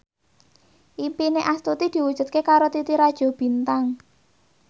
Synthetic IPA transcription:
ʔimpineʔast̪ut̪id̪̥i̤wud̥ʒ̥ṳt̪̚kekaɾot̪it̪iɾad̥ʒ̥ɔ̤b̥i̤nt̪aŋ

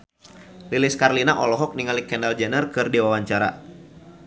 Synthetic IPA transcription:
lilɪskarlinaʔɔlɔɦɔk̚niŋalikɛndald͡ʒɛnərkɨrdiwawaɲt͡ʃaɾa̰

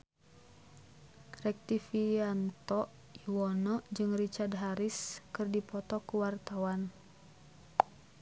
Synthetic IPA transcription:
rɛk̚t̪ifiant̪ɔʔ | iwɔnɔʔd͡ʒɨŋrit͡ʃard̪ɦaɾiskɨrdipɔt̪ɔkuwart̪awan

